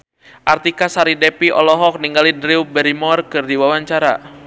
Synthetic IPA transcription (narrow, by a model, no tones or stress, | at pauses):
ʔart̪ikasaɾidɛpiʔɔ̰lɔɦɔk̚niŋɡalidɾiwbɛɾimɔrkɨrdiwawaɲt͡ʃaɾa̰